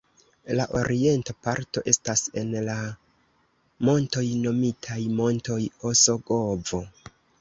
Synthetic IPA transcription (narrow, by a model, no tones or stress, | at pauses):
laʔo̞ɾie̞ntapaɾto̞ʔe̞stase̞nla | mo̞nto̞jno̞mitʰajmo̞nto̞joso̞ɡo̞vo̞